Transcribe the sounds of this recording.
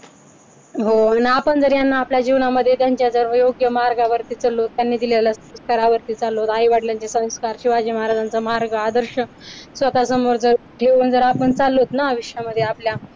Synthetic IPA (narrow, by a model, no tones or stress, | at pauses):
ɦonaːpəɳd͡zəɾjanːaːpljad͡ʑiʋɳaməd̪ʱːjet̪jaɲt͡ɕjad͡zəɾjoɡjəmaɾɡaʋəɾt̪iːt͡səlot̪ːjanːiːd̪iljalasə̃skaɾaʋəɾt̪iːt͡salot̪aiʋaʈljãɲt͡ɕesə̃w̃skaɾɕiʋad͡ʑiːmaɦaɾad͡zant͡samaɾɡəad̪əɾɕə | sʋət̪asəmoɾd͡zəɾ | ʈʰeund͡zəɾapəɳt͡salːot̪naːʋiɕjaməd̪ʱːjeaplja